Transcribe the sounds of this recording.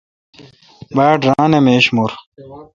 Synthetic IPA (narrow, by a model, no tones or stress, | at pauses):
baːɖɾaːnemeːɕmuɾ